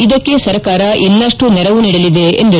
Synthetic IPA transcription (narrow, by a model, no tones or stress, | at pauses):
id̪ɐkːe̞sɐɾɐkaːɾɐʔɛlːɐʂʈunɛɾɐʋuniːɽɐlid̪e̞ḛnd̪i